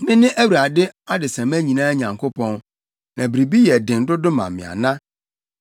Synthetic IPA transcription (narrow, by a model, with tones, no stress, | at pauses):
nɪ̃˦nɪ̃˦ʔæ˦wu˨ɾa˨dɪ˦a˦dɪ˨sã˨mæ̃˦ɲĩ˨nãː˦ɲã˨ŋkʰo˦pʰɔ̃˦n | nã˨bi˨ɾi˨bi˦jɛ˨dɪ̃˨n̩˨˦dʊ˦dʊ˦mã̰˨m˨mɪ̰̃˨a̰˨nã˦